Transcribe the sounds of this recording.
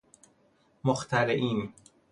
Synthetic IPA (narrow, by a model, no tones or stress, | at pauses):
moxt̪ʰæɾeʔiːn